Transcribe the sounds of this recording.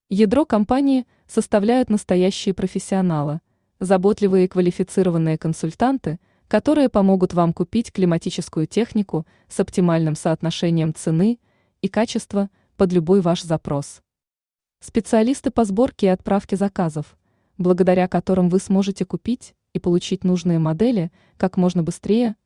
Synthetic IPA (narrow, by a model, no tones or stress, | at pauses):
jɪd̪ɾo̞kɐmpanʲɪɪ | səst̪ɐvlʲæjʊt̪nəst̪ɐjæɕːɪjəpɾəfʲɪsʲːɪɐnalˠɨ | zɐbo̞t̪lʲɪvɨjəɪkvəlʲɪfʲɪt̪sɨɾəvənːɨjəkənsʊlʲt̪ant̪ɨ | kɐt̪o̞ɾɨjəpɐmo̞ɡʊt̪vamkʊpʲitʲklʲɪmɐtʲit͡ɕɪskʊjʊtʲe̞xnʲɪkʊ | sɐptʲɪmalʲnɨmsəɐt̪nɐʂɛnʲɪjəmt̪sɨnɨ | ikat͡ɕɪst̪və | pəd̪lʲʊbo̞jvaʂzɐpɾo̞s | spʲɪt̪sɨɐlʲist̪ɨpɐzbo̞rkʲɪːɐt̪pɾafkʲɪzɐkazəf | blˠəɡəd̪ɐɾʲakɐt̪o̞ɾɨmvɨsmo̞ʐɨtʲɪkʊpʲitʲ | ipəlˠʊt͡ɕitʲnuʐnɨjəmɐd̪ɛlʲɪ | kakmo̞ʐnəbɨst̪ɾʲejə